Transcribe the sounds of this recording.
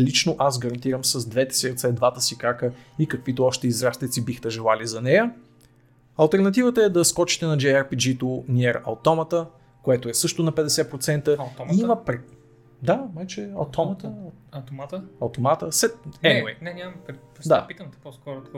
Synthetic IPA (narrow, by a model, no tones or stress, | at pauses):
lit͡ʃnoʔaszɡɐɾɐnt̪iɾəmsɐzd̪vɛt̪ɛ̥siɾt̪sɛd̪vat̪əsikakəikɐkvit̪oɔʃt̪ɛizɾast̪ɛt̪sibixt̪ɛʒɛlˠalizɐnɛjə | ɐlˠt̪ɛɾnɐt̪ivət̪əɛd̪ɐskɔt͡ʃi̥t̪ɛnɐd͡ʒɛɛɾpid͡ʒit̪oniɛɾɐ̰wt̪ɔmət̪ə | koɛt̪oɛsɤʃt̪onɐpɛd̪ɛsɛpɾot̪sɛnt̪ət̪ɔiimɐpɾɛ | d̪amajt͡ʃɛɐt̪ɔmət̪ | t̪maɐwt̪omat̪əsɛt̪̚ɛɛnɛnʲammp | d̪apit̪əmt̪ɛ̥pɔskɔɾʊt̪